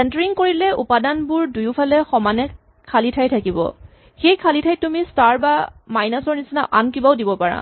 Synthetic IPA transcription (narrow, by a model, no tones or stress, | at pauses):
sɛntɔɹiŋkoɹilɛupadanbuɹdujʊpʰalɛxɔmanɛ | kʰalitʰajtʰakibɔ̰ | xejkʰalitʰajtumistaɹbamajnasɔɹnisinaʔa̰nkibaʊdibɔpaɹa̰